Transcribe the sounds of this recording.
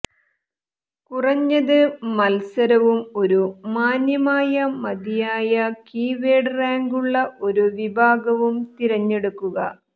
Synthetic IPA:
kurɐɲːɐðɨmɐlsɐɾɐʋumo̞ɾumaːnjɐmaːjɐmɐd̪ijaːjɐkiːʋeːɖraːŋɡuɭːɐʔo̞ɾuʋibʱaːɡɐʋumt̪iɾɐɲːe̞ɽukːuɣɐ̰

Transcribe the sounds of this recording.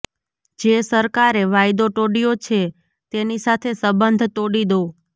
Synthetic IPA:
d͡ʒesəɾkaɾeʋajd̪oʈoɽijot͡ʃʰe | t̪enisat̪ʰesəbənd̪ʱt̪oɽid̪o

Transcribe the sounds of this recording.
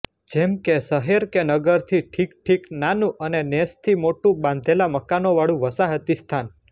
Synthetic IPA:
d͡ʒɛmkesəɦeɾkenəɡəɾt̪ʰiʈʰikʈʰiknanũʔənenest̪ʰimoʈũbãnd̪ʱelaməkanoʋaɭũʋəsaɦət̪ist̪ʰan

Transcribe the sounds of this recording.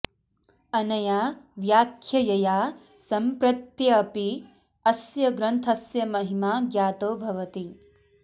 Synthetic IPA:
ɐnɐjaːʋjaːkʰjɐjɐjaː | sɐmpɾɐt̪jɐːpi | ɐsjɐɡɾɐnt̪ʰɐsjɐmɐɦimaːɡjaːt̪oːbʱɐʋɐt̪i

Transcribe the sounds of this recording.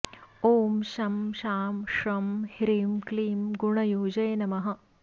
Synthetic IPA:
oːmʃɐmʃaːmʃɾɐmhiɾiːmkliːmɡuɳɐjuːd͡ʒɐjnɐmɐɦɐ̆

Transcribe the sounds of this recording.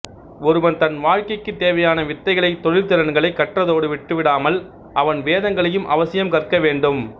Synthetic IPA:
ɔɾɯʋɐnt̪ɐnʋaːɻkɐɪkːɯt̪ːeːʋɐjaːnɐʋɪt̪ːɐɪɣɐɭɐɪt̪ːɔɻɪlt̪ɪɾɐnɡɐɭɐɪkːɐʈrɐðoːɽɯʋɪʈːɯʋɪɽaːmɐl | ʔɐʋɐnʋeːðɐŋɡɐɭɐjɯmʔɐʋɐsɪjɐmkɐrkɐʋeːɳɖɯm

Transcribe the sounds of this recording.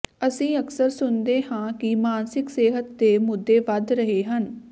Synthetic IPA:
əsĩːəksəɾsʊnd̪eːhãːkɪmaːnsɪkseːɦət̪̚d̪eːmʊd̪ːeːʋəd̪ɾəɦeːɦən

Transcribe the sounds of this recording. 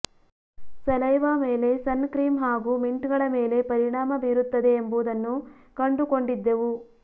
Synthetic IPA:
sɐlɐjʋaːmeːle̞sɐnkɾiːmɦaːɡuːmiɳʈɡɐɭɐme̞ːle̞pɐɾiɳaːmɐbiːɾut̪ːɐd̪e̞ːmbud̪ɐnːu | kɐɳɖuko̞ɳɖid̪ːeʋu

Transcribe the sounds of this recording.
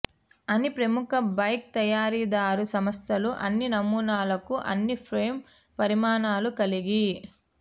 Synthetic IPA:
ɐnipɾɐmukɐbɐjk̚t̪ɐjaːɾiːd̪aːɾusɐmɐst̪ʰɐluʔɐnːinɐmuːnaːlɐkuʔɐ̰nːipʰɾeːm | pɐɾimaːnaːlukɐliɡi

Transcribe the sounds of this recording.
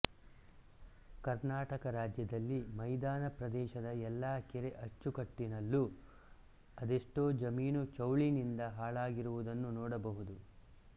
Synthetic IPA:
kɐɾnaːʈɐkɐɾaːd͡ʒjɐd̪ɐlːimɐjd̪aːnɐpɾɐd̪ɛːʃɐd̪ɐɛlːaːkɛɾeʔɐt͡ʃːukɐʈːinɐlːu | ɐd̪eʂʈoːd͡ʒɐmiːnut͡ʃɐwɭinind̪ɐɦaːɭaːɡiɾuʋud̪ɐnːunɔːɽɐbɐɦud̪u

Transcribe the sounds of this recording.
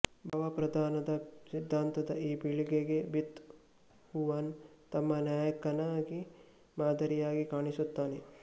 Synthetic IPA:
bʱɐʋɐpɾɐd̪ʱaːnɐd̪ɐsid̪ʱːaːnt̪ɐd̪ɐiːbiɭiɡeɡebit̪ | huʋaːn | t̪ɐmːɐnjaːjɐkɐnaːɡi | maːd̪ʱɐɾijaːɡikaːɳisut̪ːaːne

